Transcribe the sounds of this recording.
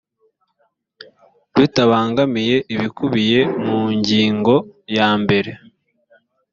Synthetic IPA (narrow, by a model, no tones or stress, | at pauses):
βitaβaːŋɡamije̞ʔiβikuβije̞muɲɟiːŋɡo̞jaːmbe̞ɾe̞